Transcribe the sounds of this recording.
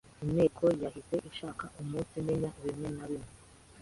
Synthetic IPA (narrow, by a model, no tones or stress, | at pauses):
ime̞ːkʰo̞jahise̞ʔiʃaːkaʔumuːnsime̞ɲaʔiβimŋe̞naβime